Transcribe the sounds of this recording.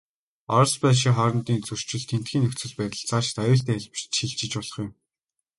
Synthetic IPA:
ɔɾspæːʃ̬iχɔɾɞ̆nt̪iːnt͡sɵr̥t͡ɕɪ̆ɮt̪ʰen̥t̪̚ɡʲiːnɵkt͡sɘ̆ɮpæːt̪ə̆ɮt͡sʰat͡ɕt̪ajʊːɬt̪æːxɮp̆t͡ɕt̪xiɮt͡ɕɪ̆t͡ɕpɔɮɞ̆χjʊ̆m

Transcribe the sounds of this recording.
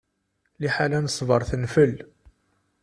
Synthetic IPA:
liħalænəsˤvəɾˤθənfəl

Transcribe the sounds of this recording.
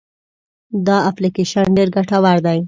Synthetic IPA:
d̪ɑaplikeʃanɖeɾɡaʈawaɾd̪aj

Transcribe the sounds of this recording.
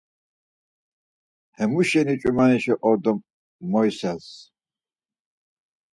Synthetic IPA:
hɛmuʃɛnit͡ʃʼumaniʃɛʔɔɾd̪ɔmː | ɔjsɛs

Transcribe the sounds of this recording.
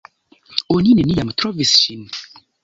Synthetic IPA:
oninenijamt̪ɾɔvisʃin

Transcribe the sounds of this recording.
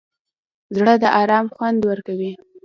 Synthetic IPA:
zɽəd̪əʔɑɾɑmxwand̪wəɾkawi

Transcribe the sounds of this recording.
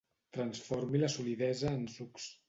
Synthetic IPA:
t̪ɾənsfoɾmiləsuliðɛzəːnsuks

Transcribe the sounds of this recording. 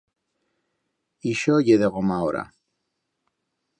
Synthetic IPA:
iʃojeðeɣomaoɾa̰

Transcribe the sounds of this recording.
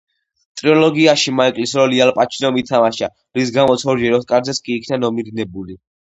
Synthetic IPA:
t̪ʼɾiɔlɔɡiaʃimaɛkʼlisɾɔlialpʼat͡ʃʰinɔmit̪ʰamaʃa | ɾis̬ɡamɔt̪sʰɔɾd͡ʒɛɾɔt̪̚kʼaɾd̪zɛt̪skʼiːkʰnanɔmid̪inɛbuli

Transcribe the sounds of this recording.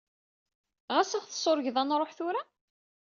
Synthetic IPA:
ʁæsæʁθsˤoɾʝðænɾˤoħθʊɾa

